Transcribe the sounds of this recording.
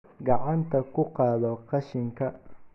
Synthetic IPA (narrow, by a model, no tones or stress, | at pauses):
ɡɑʕɑnt̪ʰɐkʰʊqɑːðɔqɑʃɪŋkʰɐ